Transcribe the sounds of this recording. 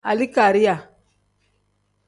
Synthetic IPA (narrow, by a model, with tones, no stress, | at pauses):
a̰˨li˦ka˨ɾi˦ja˨